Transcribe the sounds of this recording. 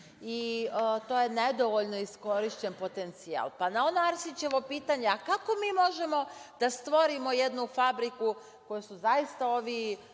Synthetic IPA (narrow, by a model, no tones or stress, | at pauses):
it̪o̞ːje̞ned̪o̞ʋo̞ʎno̞isko̞ɾiʃt͡ɕenpo̞t̪e̞nt̪sia̰lˠpanao̞noaɾsit͡ɕe̞ʋo̞piːt̪aɲe̞akako̞miːmo̞ʒe̞mo̞d̪̥ast̪ʋo̞ɾimo̞jed̪nufabɾiku | ko̞jusuzajist̪aoːʋi